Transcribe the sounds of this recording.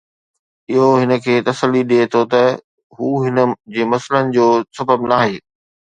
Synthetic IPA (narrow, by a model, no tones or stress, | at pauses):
ɪɦoɦɪnə̆kʰeːt̪ɐsəlːiɗiet̪ʰot̪ɐ | ɦuːɦɪnə̆d͡ʑeːmɐslənɪ̆d͡ʑoːsɐbʱəbnaːɦeː